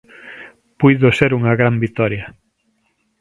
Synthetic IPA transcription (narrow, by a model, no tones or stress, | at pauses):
pujðʊseɾuŋɐɣɾambit̪ɔɾjɐ